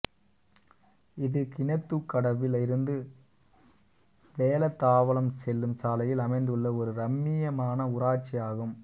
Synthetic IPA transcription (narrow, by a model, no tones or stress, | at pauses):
ɪðɯkɪɳɐt̪ːɯkːɐɽɐʋɪlɪɾɯnd̪ɯ | ʋeːlɐt̪ːaːʋɐlɐmsɛlːɯmsaːlɐjɪlɐmɐɪnd̪ɯɭːɐɔɾɯɾɐmːɪjɐmaːnɐʊɾaːʈ̚t͡ʃːijaːɣɯm